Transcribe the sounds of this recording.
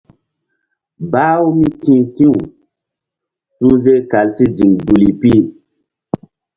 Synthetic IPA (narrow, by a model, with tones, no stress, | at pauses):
ba˦wu˦mi˦tĩ˦tĩ˦wu˨ | su˦ze˦ka˨lsi˦d͡ʒi˨ŋɡu˨li˨pi˦